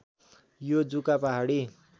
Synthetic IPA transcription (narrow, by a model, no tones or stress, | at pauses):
jod͡zukapaɦaɽi